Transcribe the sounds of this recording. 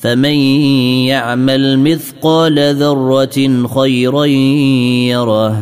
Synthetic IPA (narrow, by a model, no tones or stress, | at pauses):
famanjaʕmalmɪθqɑːlaðɑrˤːɑxajɾa | jɑɾˤɑːh